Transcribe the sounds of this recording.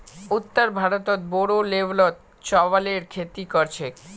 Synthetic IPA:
ut̪ːaɾbʱaɾot̪ot̪̚boɾoleblot̪̚ | t͡ɕɔβaleɾkʰet̪ikoɾt͡ɕʰe

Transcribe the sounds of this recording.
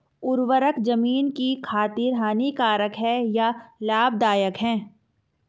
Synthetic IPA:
ʊɾwəɾəkd͡ʒɐmiːnkikʰaːt̪ɪɾɦaːnikaːɾəkɦɛjalaːb̚d̪aːjəkɦɛ̃ː

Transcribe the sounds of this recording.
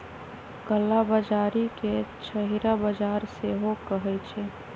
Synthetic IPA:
ɡəlːabəd͡ʒaːɾiket͡ʃʰəɦiɾabəd͡ʒaːɾseɦokəɦɛt͡ʃʰe

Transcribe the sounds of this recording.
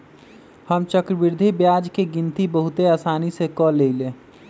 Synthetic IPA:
həmt͡ʃəkɾəbiɾd̪ʱibjad͡ʒkeɡint̪ibəɦut̪eaːsaːnisekɔleɪlẽ

